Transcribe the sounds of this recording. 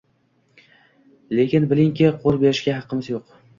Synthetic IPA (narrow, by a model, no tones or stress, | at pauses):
le̞kʲɪnbɪlɪŋkʲɪqʰolˠbe̞ɾɪʃɡʲaɦɑqːɨmɪzjoq